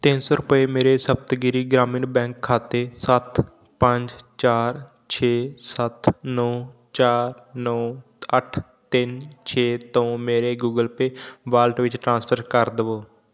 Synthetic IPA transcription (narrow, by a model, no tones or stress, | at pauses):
t̪ɪnsoːɾʊpeːmeːɾeːsəb̚t̪ɡɪɾiːɡɾaːmɪɳbɛ̃ːŋkʰːaːt̪eːsət̪ | pəɲd͡ʒt͡ʃaːɾ | t͡ʃʰeːsət̪nɔː | t͡ʃaːɾnɔː | əʈʰ | t̪ɪnt͡ʃʰeːt̪õːmeːɾeːɡuːɡəlpeːʋaːlʈʋɪt͡ʃʈɾãːspʰəɾkəɾd̪əʋoː